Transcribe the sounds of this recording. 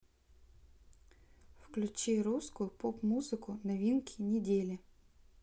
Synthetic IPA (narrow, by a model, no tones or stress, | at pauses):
wklʲʊt͡ʃiɾuskʊjʊpɔpmuzɪkʊnɐʋʲinkʲʰinʲɪdʲelʲɪ